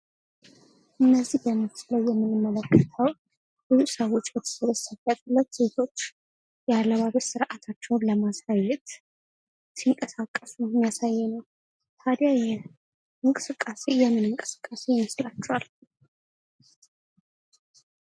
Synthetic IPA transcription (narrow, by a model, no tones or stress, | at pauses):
ʔɨnːəzːihbəmɨt̪sləwjɛmːɨnɨmːələkːət̪ʰəw | b̥uzusəwot͡ʃʼːbɛt̪ʰə̥səβəsafat̪ʼɨlːət̪set̪ʰo̞t͡ʃː | jɛalːaβaβəsɨɾʔat̪ʰat͡ʃːɛwnləmasajːɛt̪ | siŋkʼəsakʼːəsumjasajːɛnəw | t̪ʰad̪jajɛ | ɨŋkʼɨsɨkʼːase̞jɛmːɨnɨŋkʼɨsɨ̥kʼːase̞jməslat͡ʃːɛwal